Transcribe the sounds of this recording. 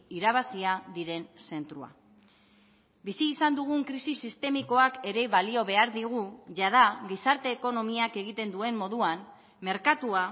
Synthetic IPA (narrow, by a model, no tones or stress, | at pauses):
iɾaβ̞asiaðiɾe̞nse̞nt̪ɾua̰ | bisiːsand̪uɣ̞uŋkɾisisist̪e̞miko̞ake̞ɾe̞βalio̞βe̞aɾðiɣ̞uʝað̞aɣisaɾt̪e̞ːko̞no̞miake̞ɣ̞it̪e̞nd̪ue̞mːo̞ðuam | me̞ɾkat̪ua